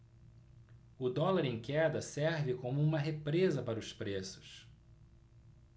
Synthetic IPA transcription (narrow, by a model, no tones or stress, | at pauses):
ʊd̪ɔlaɾĩŋkɛd̪ɐsɛɾvɪkõmʊũmɐɦepɾezɐpaɾɐʊspɾesʊ̥s